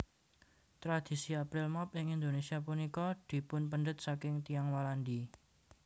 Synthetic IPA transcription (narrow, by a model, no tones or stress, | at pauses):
t̪ɾad̪̥i̤siapɾɪlmɔpɪŋind̪onesiapunikɔd̪̥i̤pʊnpənɳɖət̪̚sakɪŋt̪iaŋwalandi